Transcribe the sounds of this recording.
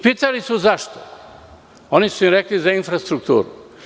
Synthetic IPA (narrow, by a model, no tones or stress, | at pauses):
piːt̪alisuzaʃt̪o | o̞nisuimɾeklizainfɾast̪ɾuk̚t̪ṵːɾṵ